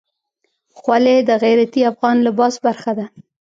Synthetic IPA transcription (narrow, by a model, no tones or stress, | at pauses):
xwaled̪əɣajɾat̪iafɣɑnlabɑzbaɾxad̪a